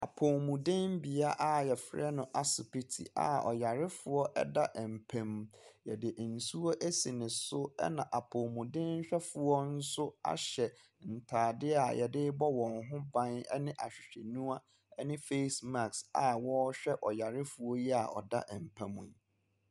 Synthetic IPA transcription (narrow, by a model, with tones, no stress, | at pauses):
a˨pʰo˨mũ˨dɪ̃˦mbi˨a˦ʔa˦jɛ˨fɾɛ˦nʊ̃˨ʔa˨sɪ˨pi˦tʰḭ˨ʔa̰˨ɔ̰˨ja˨ɾɪ˦fʊ˨ɔ˦ʔɛ̰˦da˦ʔɛ˨m̩˨pʰæ̃˨m̃˨jɛ˨dɪ˨ʔn̩˨su˦ɔ˦ʔe˦si˨nɪ̃˨sʊ˦ɛ̰˦nã˨ʔa˨pʰo˨mũ˨dɪ̃˦nɲ̩˦ɕᶣɛ˦fʊ˨ɔ˦n̩˦sʊ˦a̰˨ɕɛ˨ | n̩˨tʰaː˨dɪ˦a˨jʔɛ˨dɪ˦bɔ˦wɔ̃˨ŋɦʊ̃˦bã˦nɛ̰˦nɪ̃˦ʔa̰˨ɕᶣi˨ɕᶣe˨nũ˦a˦ | ɛ˦nɪ̃˦fe˦sma˨ksa˨wɔ˦ɕᶣɛ˦ʔɔ˨ja˨ɾɪ˦fʊ˨ɔ˦jɛ˦a̰˨ɔ̰˨da̰˦ʔɛ˨m̩˨pʰæ̃˨mṵ̃˨n˨